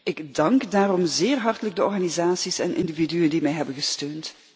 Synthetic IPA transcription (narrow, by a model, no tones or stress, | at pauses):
ʔɪɡdɑŋkdaːrɔmzɪːrɦɑrtələɡ̚dəɔɹɣaːnizaːtsisɛnʔɪ̰ndividyjəndimɛjɦɛbənɣəstøːnt